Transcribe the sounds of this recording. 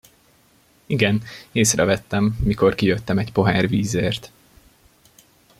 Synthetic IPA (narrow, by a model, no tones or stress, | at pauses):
iɡɛneːsrɛvɛt̪ːɛmːiko̞rkijøt̪ːɛmɛɟpo̞ɦæːrviːzeːrt̪